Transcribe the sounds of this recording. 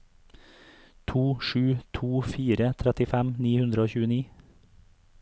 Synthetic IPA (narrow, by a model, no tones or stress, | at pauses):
t̪ʰuːʃʉːt̪ʰuːfiːɾət̪ʰɾɛt̪ɪfæmniːhʉnd̪ɾəoːçʉːəniː